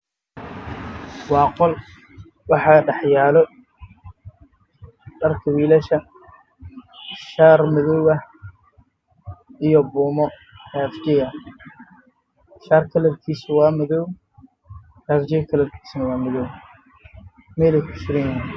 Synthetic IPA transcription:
wɑːqɔl | wɑħɑɖɑħjaːlɔ | ɖɐrkʰɐwiːlɐʃɐ | ʃaːrmɪðɔwɣɐ | ijɔbuːmɔ | hɛfd͡ʒɛjɐ | ʃaːrkʰɐlɐrkʰiːsʊwɑːmɪðɔw | hɐːfd͡ʒɛjkʰɐlɐrkʰi̥ːsnɐwɑːmɪðɔw | mɛlɛjkʰʊt͡ʃɪɾɪnaɐn

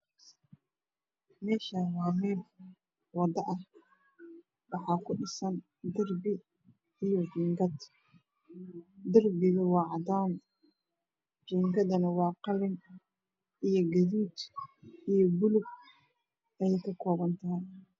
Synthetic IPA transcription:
mɛːʃawɑːmɛːl | wɑd̪ɐʔɐh | wɑħɑːkʰʊɖɪsɐn | d̪ɐrbɪː | jɔd͡ʒiːŋɡɐd̪ | d̪ɐrbɪɣɐwɑːʕɑd̪aːn | d͡ʒiːŋɡɐðɐnɐwɑːqɑlɪn | ijɞɡɐðuːd̪ijɔbʊlʊɡ | ɐjɛjkʰɐkʰɔːβɐnt̪ʰɐɦɪ

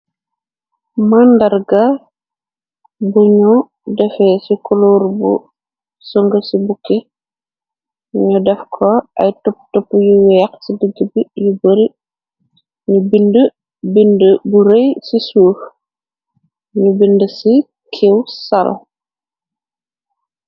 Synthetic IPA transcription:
mandɐrɡɐ | buɲu | dɛfɛsikɔloɾbṵ | sɔŋɡəsibukːɛ | ɲɔdɛfkʰɔʔɐjtɔptɔpːjuwɛːksidəɡəbijubəɾi | ɲubində | bindbuɾejsisuːf | ɲubindəsi | kʰewsɐlɔ̰

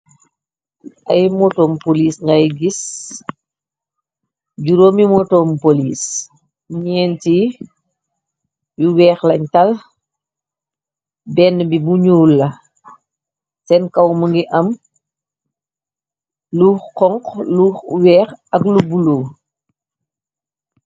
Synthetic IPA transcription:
ʔɐjmɔtɔːmpoliːsŋɡɐjɡis | ɟuɾoːmimɔtɔːmpoliːs | ɲɛːnti | juwɛːxlɐɲtɐl | bɛnːbibuɲuːlːɐ | sɛnkɐwməŋɡiʔɐm | luːxqɔŋkluːxwɛːxɐklubuloː

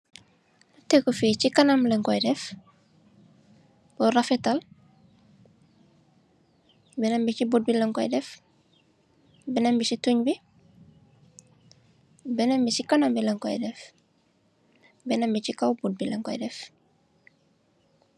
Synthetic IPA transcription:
nutekufiːt͡ʃikanamlɛŋkɔjdɛf | bɔrafɛtal | bɛnambit͡ʃibud̚bilɛŋkɔjdɛf | bɛnɐmbisituɲbi | bɛnambisikanambilɛŋkɔ̰jdɛf | bɛnambit͡ʃikawbud̚bilɛŋkɔ̰jdɛf

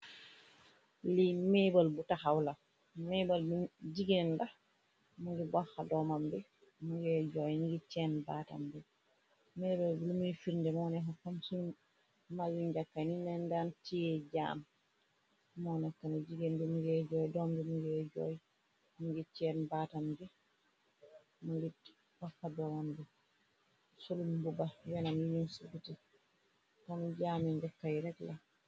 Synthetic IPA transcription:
limɛbalbutahawla | mɛbalbid͡ʒiɡɛnda | muŋɡɛbahadɔmambɛ | muɡɛd͡ʒɔjniɡɛt͡ʃɛnbata̰mbɛ | mɛbalbulumujfiɾndɛmɔnɛɦɔkːamsun | malːiɲd͡ʒakːaninɛndantijɛd͡ʒa̰ːm | mɔnɛkːanad͡ʒiɡɛndumuɡɛd͡ʒɔjdɔmdɛmuɡɛd͡ʒɔ̰j | muŋɡɛt͡ʃɛnbatambɛ | muŋɡɛt | hɔfːadɔmɔndɛ | solumbubajɛnamjiɲunsubitɛ | kɔnd͡ʒaːmiɲd͡ʒakːajɾɛtla

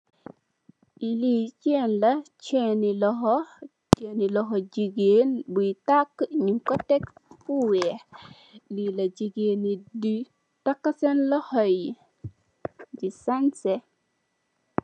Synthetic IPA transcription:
ʔiliːt͡ʃɛnlɐt͡ʃɛnilɔɦɔ | t͡ʃɛnilɔɦɔd͡ʒiɡenbuitakːɲiŋkɔtɛkfuwɛ | lilɐd͡ʒiɡenidi | takːasɛnlɔhɔj | disansɛ

